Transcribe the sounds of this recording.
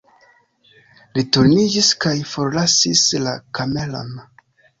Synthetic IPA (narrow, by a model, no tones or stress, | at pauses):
lituɾnid͡ʒiskajfo̞ɾlasislakame̞lo̰n